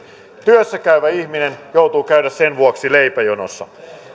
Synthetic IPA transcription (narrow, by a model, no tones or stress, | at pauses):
t̪yøsːækæyʋæihminenjout̪uːkæydæssenʋuɑksileipæjono̰sːɑ̰